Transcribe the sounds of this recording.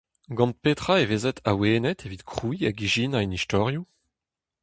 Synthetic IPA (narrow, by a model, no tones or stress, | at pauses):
ɡɑ̃nt̪̚pet̪χaeveːzɛt̪ʰaweːnɛt̪ʰevit̪kχuiaɡiʒinainist̪ɔʁju